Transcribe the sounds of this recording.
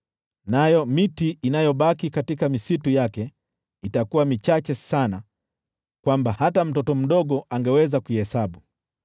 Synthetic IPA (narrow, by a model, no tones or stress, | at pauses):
najɔmitiːnajɔɓakikatikamisitujakɛ | itakuwamit͡ʃat͡ʃɛsana | kwambahatam̩tɔtɔm̩ɗɔɠɔʔaŋɡɛwɛzakuihɛsaɓu